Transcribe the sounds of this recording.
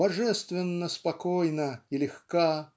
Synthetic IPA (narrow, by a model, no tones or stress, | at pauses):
bɐʐɛst̪vʲɪnːəspɐkojnəilʲɪxka